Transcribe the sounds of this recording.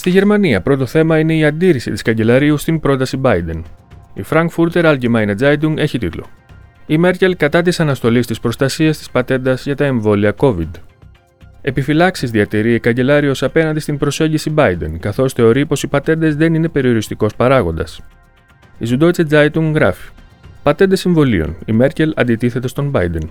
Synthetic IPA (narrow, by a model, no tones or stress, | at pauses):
st̪iʝe̞ɾmɐniɐpɾo̞t̪o̞θe̞mɐine̞iɐnd̪iɾisit̪iskɐɲɟe̞lɐɾiust̪imbɾo̞t̪ɐsibɐjd̪e̞̰nifɾɐŋkfuɾt̪e̞ɾɐlɟimɐjnɐd͡zɐjt̪̬uŋe̞çit̪ḭt̪lo̞̰imeɾce̞lkɐt̪ɐt̪isɐnɐst̪o̞list̪ispɾo̞st̪ɐsiɐst̪i̥spɐt̪e̞nd̪ɐzʝɐt̪ɐe̞ɱvo̞liɐko̞vḭd̪ | e̞pifilɐksizðiɐt̪eɾiekɐɲɟe̞lɐɾio̞sɐpe̞nɐnd̪ist̪imbɾo̞se̞ɲɟisibɐjd̪e̞̰nkɐθo̞sθe̞o̞ɾipo̞sipɐt̪e̞nd̪e̞zðe̞nine̞pe̞ɾio̞ɾist̪iko̞spɐɾɐɣo̞nd̪ɐs | izud̪o̞it͡sed͡zɐjt̪uŋɡɣɾɐfi̥ | pɐt̪e̞nd̪ɐsiɱvo̞lḭo̰nime̞ɾce̞lɐ̰nd̪it̪iθe̞t̪e̞st̪o̞mbɐjd̪e̞n